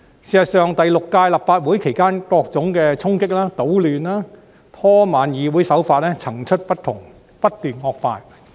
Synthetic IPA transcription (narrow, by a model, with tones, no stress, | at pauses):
siː˨˩sɐ˨˩tsœː˨ŋt̪ɐ˨jlʊ˨kːaː˧jlɐ˨p̚faː˧t̚wuː˨˥jkʰe˨˩jkaː˥nkɔː˧k̚t͡sʊ˨˥ŋkɛː˧t͡sʰʊ˥ŋkɪ˥k̚laː˥t̪o˨˥wlyː˨nlaː˥ | t̪ʰɔː˥maː˨njiː˨˧wuː˨˥jsɐ˨˥wfaː˧t̚ɛː˥t͡sʰɐ˨˩ŋt͡ʃʰɵ˥t̚pɐ˥t̚t̪ʰʊ˨˩ŋ | pɐ˥t̚t̪yː˨nŋɔː˧k̚faː˧j